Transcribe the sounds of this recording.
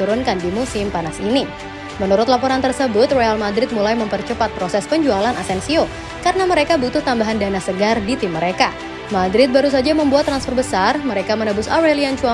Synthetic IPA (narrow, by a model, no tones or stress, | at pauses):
uɾʊnkandimusɪmpanasini | mənuɾʊt̪̚lapoɾant̪ərsəbʊt̪roalmadɾɪt̪̚mulajməmpərt͡ʃəpat̪̚pɾosɛspəɲd͡ʒualanasɛnsio | kaɾənaməɾekabut̪ʊht̪ambaɦandanasəɡardit̪ɪmːəɾeka | madɾɪt̪̚baɾus̬ad͡ʒaməmbuat̪ːɾansfərbəsarməɾekamənəbʊsoɾeliant͡ʃua